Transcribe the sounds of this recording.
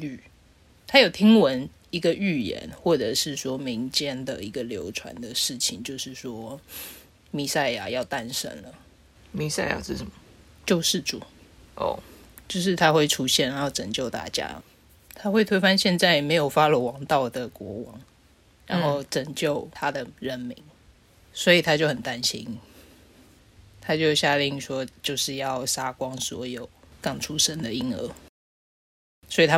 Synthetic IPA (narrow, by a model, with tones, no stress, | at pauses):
y˥˨˩ | t̪ʰa˥jo˨˩ʊt̪ʰi˥ŋwə˧˦n | i˧˥ɡə˧y˥˩jɛ̰˧˦nxwɔ˥˩ʈ͡ʂɤ˨˩ʂɻ̩˥˩swɔ˥mi˧˦ŋt͡ɕjɛ˥nd̪ə˨i˧˥ɡə˨ljo˧˥ʊʈ͡ʂʰwa̰˧˦nd̪ə˨ʂɻ̩˥˩t͡ɕʰi˨˩ŋt͡ɕjo˥˧ʊʂɻ̩˥˩swɔ˥ | mi˥˧sa˥˩ɪja˨˩jɑ˥˩ʊt̪a˦nʂə̰˥nlə˨ | mi˥˧sa˥ɪja̰˨˩ʂɻ̩˥˩ʂə˨˩˦mə˨˦ | t͡ɕjo˥˧ʊʂɻ̩˥˩ʈ͡ʂu˨˩˦ | ʔo̰˥˨˩ | t͡ɕjo˥˧ʊʂ̬ɻ̩˥˩t̪ʰa˦˥xwe˥˩ɪʈ͡ʂʰu˥ɕjɛ˥˩nɻa˧˥jo˥˩ʊʈ͡ʂə˨˩ŋt͡ɕjo˥˧ʊt̪a̰˥˩t͡ɕja̰˥ | t̪ʰa˥xwe˥˩ɪt̪we˥ɪfa˥nɕjɛ˥˧nt͡sa˥˩ɪme˧˥ɪjo˨˩ʊfa˦˥lə˨wɑ˧˥ŋt̪ɑ˥˨˩ʊd̪ə˩kwɔ̰˧˥wɑ̰˧˦ŋ | ɻa˧˦nxo˥˩ʊʈ͡ʂə˨˩ŋt͡ɕjo˥˨ʊt̪ʰa˦d̪ə˨ɻə˥˩nmi˧˥ŋ | swɔ˧˥i˨˩t̪ʰa˥t͡ɕjo˥˩ʊhə˨˩nt̪a˦nɕi˥n | t̪ʰa˥t͡ɕjo˥˧ʊɕja˥˧li˥˩ŋʂwɔ˦t͡ɕjo˥˧ʊʂɻ̩˥˧jɑ˥˨˩ʊsa˥kwɑ˦ŋswɔ̰˧˥jo˨˩ʊ | kɑ˥˩ŋʈ͡ʂʰu˥ʂə˥nd̪ə˨i˧˥ŋə̰˧˥ | swɔ˧˥i˨t̪ʰa˦